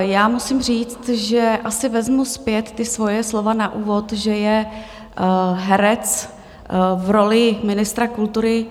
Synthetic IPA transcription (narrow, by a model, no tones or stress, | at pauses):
jaːmusɪmr̝iːt͡st̪ʒɛʔasɪvɛzmuspjɛt̪ːɪsvo̞jɛslo̞vanaʔuːvo̞t̪ʒɛjɛ | ɦɛɾɛt͡s | vɾo̞lɪmɪnɪst̪ɾakult̪uɾɪ